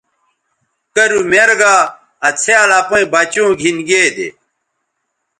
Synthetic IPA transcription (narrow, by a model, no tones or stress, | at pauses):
kɐɾumeɾɡaː | ɐt͡sʰealapoĩbɐt͡ɕõːɡʱinɡeːd̪ḛ